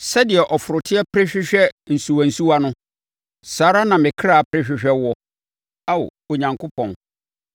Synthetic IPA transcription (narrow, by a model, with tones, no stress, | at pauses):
sɛ˦dɪ˨ɛ˨ʔɔ˨fʊ˨ɾʊ˨tʰɪ˦ɛ˦pʰɾɪ˦ɕᶣɪ˦ɕᶣɛ˦n̩˨su˨a˨n̩˨su˦wa˦nʊ̃˦ | saː˨ɾa˦nã˨mɪ̃˨kʰɾa˦˨pʰɾɪ˦ɕᶣɪ˨ɕᶣɛ˦wɔ˦ | a˦w̰o˨ɲã˨ŋkʰʊ˦pʰɔ̃˨n